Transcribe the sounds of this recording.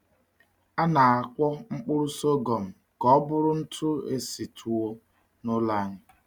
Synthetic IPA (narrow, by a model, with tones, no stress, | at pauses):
a˦na˨a˨kʷɔ˦ŋ͡m̩˦k͡pʊ˦ɾʊ˦so˦ɡo˨m̩˨ | kɔ˦ɔ˦bʊ˦ɾʊ˦n̩˦tʰʊ˦ḛ˦si˨tʰu˨o˦ | nʊ˦la˦ɲɪ˦